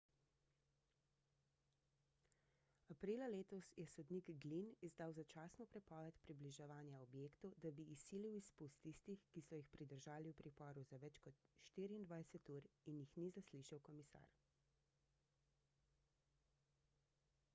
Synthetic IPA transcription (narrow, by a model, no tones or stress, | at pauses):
apɾiːlaleːt̪ɔsjɛsɔd̪niɡɡlinizd̪aːwzat͡ʃaːsnɔpɾɛpɔːʋɛt̪pɾibliʒɛʋaːnjaɔbjeːkt̪ɔd̪abiːsiːliwispust̪ːist̪ixkisɔjixpɾid̪əɾʒaːliwpɾipɔːɾuzaʋɛt͡ʃkɔt̪ʃt̪iːɾiːnd̪ʋajsɛt̪uːɾinjixnizasliʃawkɔmisa̰ːɾ